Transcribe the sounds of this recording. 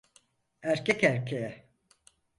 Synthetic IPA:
æɾcʰɛcæɾcʰejɛ

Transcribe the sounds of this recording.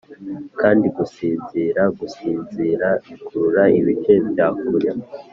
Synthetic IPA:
kʰaːndiɡusiːnziɾaɡusiːnziɾakʰuɾuɾaiβit͡ʃebjaːkuɾja

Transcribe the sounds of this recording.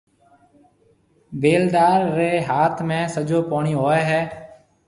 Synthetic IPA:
beːld̪aːɾːeːɦaːt̪ʰmẽːsəd͡ʒoːpoːɳiːɦoːeːɦɛː

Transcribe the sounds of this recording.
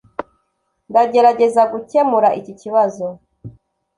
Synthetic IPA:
ndaɟe̞ɾaɟe̞zaɡuce̞muɾaʔiciciβazo̞

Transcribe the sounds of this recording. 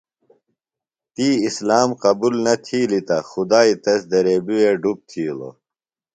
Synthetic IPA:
t̪iːislaːmqɐbulnɐt̪ʰiːlit̪ɐxud̪aːit̪ɐsd̪ɐɾeːbiweɖup̚t̪ʰiːlo̰

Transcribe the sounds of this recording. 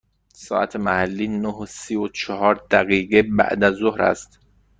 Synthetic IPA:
sɒːʔæ̰t̪ʰemæhælːiːnoɦosiːot͡ʃʰɒɦɒːɾd̪̥æɣiːɢebæ̰ʔd̪æzːohɾæ̰st̪

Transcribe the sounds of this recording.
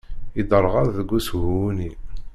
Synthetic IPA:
id̪əɾˤʁaððəɡːushuuni

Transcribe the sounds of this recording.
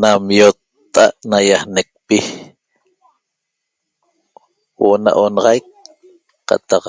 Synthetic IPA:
namjot̪ːa̰ʔnajahnek̚pi | woʔna̰ʔonɑʁɑjk̚ | qɑ̰t̪ɑq

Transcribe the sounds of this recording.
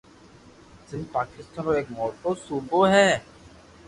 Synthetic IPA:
sɪnd̪paːkɪst̪aːnoeːkmɔːʈosuːboɦɛː

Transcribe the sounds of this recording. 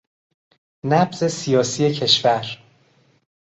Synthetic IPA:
næbz̥e̞sijɒːsiːe̞cʰe̞ʃvæɾ

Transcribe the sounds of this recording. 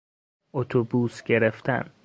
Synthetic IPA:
ot̪ʰobuːsɟe̞ɾeft̪ʰæ̰n

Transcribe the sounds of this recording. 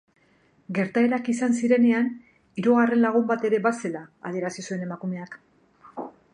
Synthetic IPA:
ɡe̞ɾt̪ae̞ɾakisansiɾe̞ne̞an | iɾoɣare̞nlaɣ̞umbat̪e̞ɾe̞base̞la̰ːðie̞ɾasisue̞ne̞makume̞ak

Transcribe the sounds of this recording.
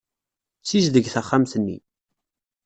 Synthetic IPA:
t͡sːizðəɡθæχːamθənːḭ

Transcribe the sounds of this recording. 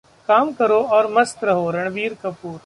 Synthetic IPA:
kaːmkəɾoːɔːɾmɐst̪ɾɐɦoːɾɐɳ̃biːɾkɐpuːɾ

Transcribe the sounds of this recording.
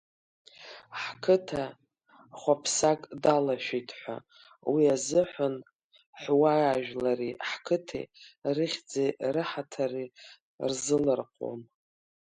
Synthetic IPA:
ħkʰɨtʰa | χʷapʰsakʼdalaʃᶣitʰħʷa̰ | wiazɨħʷan | ħʷwaaʒᶣlaɾiħkʰɨtʰḛrɨχʲd͡zerɨħatʰari | rzɨlɨrqʷʼo̰m

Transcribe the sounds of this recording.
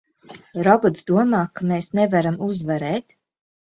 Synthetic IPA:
ɾɔbɔt̪sd̪uɔmaːkameːsnɛvaɾamuzvaɾɛːt̪

